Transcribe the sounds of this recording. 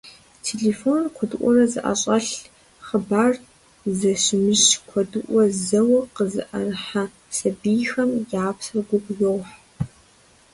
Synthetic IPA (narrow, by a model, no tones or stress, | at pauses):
tʰeɮeːfonqʷʰɔdɨʔʷʼɔrɐzɨ̰ʔa̰ɕʼɐɬ | χəbaːr | zɐɕɪmɨʃkʷʰɔdɨʔʷɔzɐwɐqəzɨ̰ʔɐrɨħa | sɐbijxɐmjaːpsɨrɡʷʊɡʷjowħ